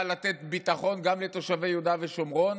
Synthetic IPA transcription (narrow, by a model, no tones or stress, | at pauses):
lat̪ɛt̪bit̪aχo̞nɡamlet̪o̞ʃavejud̪aveʃomʁo̞n